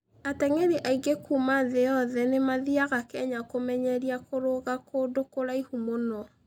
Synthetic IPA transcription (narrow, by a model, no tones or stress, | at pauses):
atɛŋɛɾeʔaiɡekumaðejɔðɛnemaðiaɣakɛɲakomɛɲɛɾiakoɾoɣakodokoɾaihumonɔ